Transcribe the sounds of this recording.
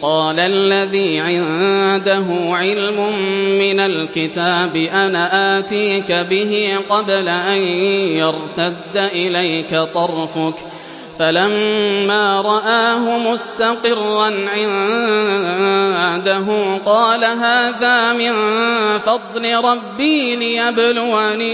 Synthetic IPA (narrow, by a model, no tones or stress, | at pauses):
qɑːlaʔlːaðiːʕɪnd̪aɦʊʕɪlmʊmmɪnalkɪt̪aːbɪʔanaʔaːt̪iːkabɪɦiqɑd̪laʔajjɑɾt̪ad̪ːaʔɪlajkat̪ˤɑɾˤfʊk | falamːaːɾˤɑʔaːɦʊmʊst̪aqɪrːanʕɪn | d̪aɦʊqɑːlaɦaːðaːmɪnfɑd̪ˤlɪɾˤɑbːiːlɪjablʊwani